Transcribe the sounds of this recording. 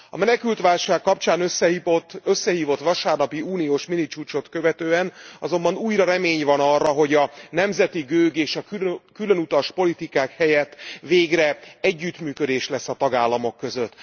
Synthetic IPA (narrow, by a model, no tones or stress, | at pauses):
ɒ̰mɛnɛkylt̪ʋaːlʃaːkːɒpt͡ʃaːnøsɛit̪øsːɛɦiːvo̞t̪ʋɒʃaːrnɒpiuːnijoːʃminit͡ʃuːt͡ʃo̞t̪kø̞vɛt̪øːɛnɒzo̞mbɒnuːjɾɒɾɛmeːɲvɒnɒrːɒɦo̞ɟɒnɛmzɛt̪iɡøːɡeːʃɒkylø̞nut̪ɒʃpo̞lit̪ikaːkhɛjɛt̪ːveːɡrɛɛɟːyt̪myːkø̞d̪eːʃlɛsːɒt̪ɒɡaːlːɒmo̞kːøzø̞t̪ː